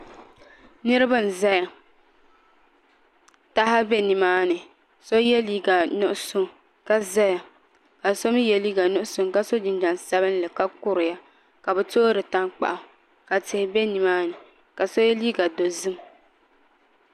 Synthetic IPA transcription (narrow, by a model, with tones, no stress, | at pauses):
nɨ˦ɾɨ˦ba˦˨n̩˨za˦ja˨ | ta˦ɦa˦bɛ˦ni˨maː˦nɨ˨ | so˦jɛ˦liː˦ɡa˨nʊ˦ʔʊ˦sʊ˦ŋ | ka˦za˦ja˨ | ka˨so˦m˦jɛ˨liː˦ɡa˨nʊ˦ʔʊ˦sʊ˨ŋka˦so˦d͡ʒɪ˨nd͡ʒa˨n˨sa˦bɨ˦n˦lɨ˨ka˦kʊ˦ɾɪ˨ja˦ | ka˨bɛ˨to˦ɾɨ˨ta˦ŋk͡pa̰˨ʔʊ˨ | ka˨tɪ˨hɪ˨bɛ˦ni˨maː˦nɨ˨ | ka˨so˦jɛ˦liː˦ɡa˨do˨zɨ˦m